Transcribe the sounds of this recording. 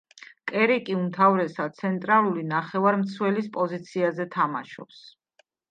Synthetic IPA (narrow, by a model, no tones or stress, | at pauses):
kʼɛɾɛkʼiumt̪ʰavɾɛsat̪sʰɛnt̪ʼɾalˠulinaχɛvaɾmt̪sʰwɛlispʼɔzit̪sʰiazɛt̪ʰamaʃɔ̰ps